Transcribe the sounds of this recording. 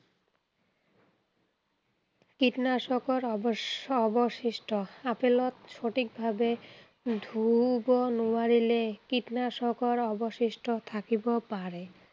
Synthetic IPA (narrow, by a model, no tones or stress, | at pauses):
kiʈnaʃɔkoɾɔbɔboʃiʃʈoapelot̪ʃoʈik̚bʱabe | d̪ʱubonuaɾilekiʈnaʃɔkoɾɔboʃiʃʈot̪ʰakibopaɾe